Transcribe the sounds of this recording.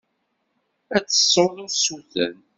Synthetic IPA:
æt͡sːə̥sˤːoðˤosuθə̰n

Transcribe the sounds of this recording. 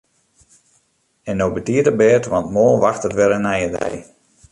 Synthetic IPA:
ɛnːowbətiətəbɛːtʋɑntmoːlˠʋaxtətʋɛlənɛjədɛ̰j

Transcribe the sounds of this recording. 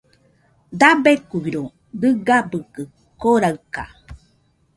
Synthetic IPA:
d̪abekubiɾo | dɨɡabɯkɯ | koɾaɯka̰

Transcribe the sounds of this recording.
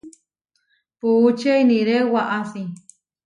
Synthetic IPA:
puːt͡ʃeiniɾewaʔaθi

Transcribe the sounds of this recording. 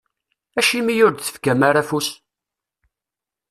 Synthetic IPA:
æʃimijʊɾd̪θə̥fkæmaɾafus

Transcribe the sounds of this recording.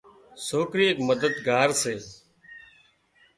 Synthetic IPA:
soːkɾiːeːkməd̪əd̪ɡaːɾseː

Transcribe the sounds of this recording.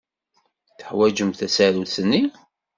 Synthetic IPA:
θə̥ħwæd͡ʒəmθæsæɾuθənːi

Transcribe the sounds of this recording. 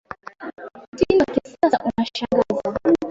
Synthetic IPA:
tinakisasaʔunaʃaŋɡaza

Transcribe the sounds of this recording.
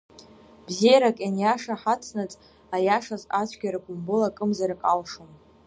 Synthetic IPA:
bzijaɾakʼjanjaʂaħat͡sʰnat͡sʼ | ajaʂazat͡ɕʷʰɡʲaɾaɡʷʼʊmbɨlakʼɨmzaɾakʼalʂom

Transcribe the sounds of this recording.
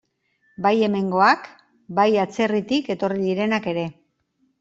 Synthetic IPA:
baje̞me̞ŋɡo̞ak | bajat͡se̞rit̪ike̞t̪o̞riðiɾe̞nake̞ɾe̞

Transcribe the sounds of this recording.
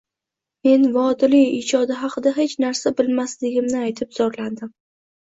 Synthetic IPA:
me̞nvɒd̪ɪlɪjɪd͡ʒɒd̪ɪɦɑqɨd̪aɦe̞t͡ʃnaɾsabɪlmaslɪɡʲɪmnɪajt̪ʰɪp̚z̥ɒɾland̪ɪm

